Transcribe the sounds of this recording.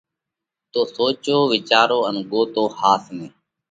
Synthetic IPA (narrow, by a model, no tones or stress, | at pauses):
t̪oːsoːt͡ʃoːʋɪt͡ʃaːɾoːənɠoːt̪oːhaːsmeː